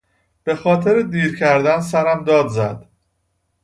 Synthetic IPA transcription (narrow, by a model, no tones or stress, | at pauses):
b̥e̞xɒːt̪ʰe̞ɾed̪iːɾcʰæɾd̪ænsæɾæmd̪ɒːd̪zæd̪̥